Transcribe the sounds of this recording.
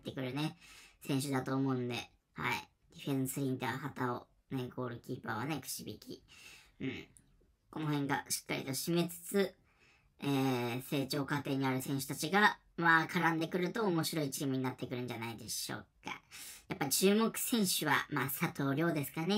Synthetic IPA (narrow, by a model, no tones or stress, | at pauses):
t̪ːe̞kɯ̟ɾɯ̟ne̞sẽ̞ɰ̃ɕɨd̪at̪o̞ːmo̞ɯ̃nd̪e̞̰ | ha̰ḭ | d̪̥ʲiɸẽ̞sɨɾʲĩnt̪aːhat̪ao | neɡo̞ːɾɯ̟kʲiːpaβane̞kɯ̟̥ɕibʲḭkʲḭɯ̟̃ɴ | ko̞no̞hẽ̞ŋɡa̰ɕi̥kːa̰ɾʲḭt̪o̞ɕime̞t͡sɨ̥t͡sɨ | eːse̞ːt͡ɕo̞ːkat̪e̞ːɲ̟iaɾɯ̟sẽ̞ɰ̃ɕɨ̥t̪at͡ɕiɡa | maːkʰaɾãnd̪e̞kɯ̟ɾɯ̟t̪o̞ːmo̞ɕiɾo̞it͡ɕiːmɯ̟ɲ̟inat̪ːe̞kɯ̟ɾɯ̟̃ɲ̟d͡ʑanaid̪e̞ɕo̞̰ːka̰japːaɾʲit͡ɕɨːmo̞kɯ̟̥sẽ̞ɰ̃ɕɨβa̰maːsat̪ʰo̞ːɾʲo̞ːd̪esɨ̥kane̞